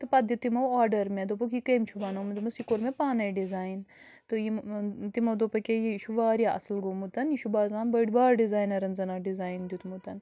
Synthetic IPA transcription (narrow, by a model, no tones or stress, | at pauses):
t̪ɨpɐd̪it̪imɐwaːɾɖɐɾmẽd̪opukikɐjmt͡ʃʰubanɐmud̪mɐsikoɾmẽpaːnɐɖizaːjin | t̪ɨjit̪imɐwd̪opɐkʲejiʃuʋaːɾijaʔɐ̰slɡomut̪ɐniʃubaːzaːnbɐɖbaːɾɖizaːjnɐɾɐnzɐnaɖizaːjnd̪jut̪ʰmut̪ɐn